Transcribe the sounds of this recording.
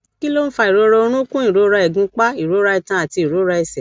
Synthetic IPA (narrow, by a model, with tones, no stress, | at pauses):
ki˦lo˦n̩˦fa˧i˨ɾo˧˦ɾo˧o˧ɾ̃ũ˦kũ˦i˨ɾo˨˦ɾa˧ɛ˨ɡũ˨˦k͡pa˦i˨ɾo˨˦ɾa˧i˧˨tã˦a˨ti˧˨ɾo˨˦ɾa˧ɛ˧sɛ˨